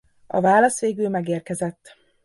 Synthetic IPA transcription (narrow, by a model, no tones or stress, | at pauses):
ɒ̰vaːlɒsʋeːɡylmɛɡeːrkɛzɛt̪ː